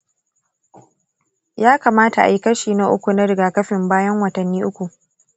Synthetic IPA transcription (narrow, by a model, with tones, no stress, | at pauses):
jaː˦kaː˨maː˦ta˨ʔa̰˨ji˨kɐ˦ʃiː˨na˦ʔʊ˦kʷu˨na˦ɽɪ˨ɡaː˨kɐ˦ɸɪ˨mbaː˦jɐ˦ŋwɐ˨tɐ˨nːiː˦ʔʊ˦kʷu˨ʔ